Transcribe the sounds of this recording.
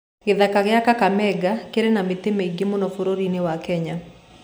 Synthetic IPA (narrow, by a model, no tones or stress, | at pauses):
ɡɪðakaɡɪakakamɛɡakeɾenamɪt̪ɪmeiɡɪmɔnɔfoɾoɾinɪwakɛɲa